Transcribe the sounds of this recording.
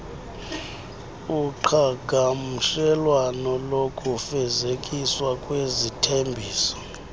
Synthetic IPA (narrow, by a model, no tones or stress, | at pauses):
uǃʰaɡʱam̩ʃɛlwanɔlokʼufɛzekʼiswakʼwezitʰembʱiːsɔ̥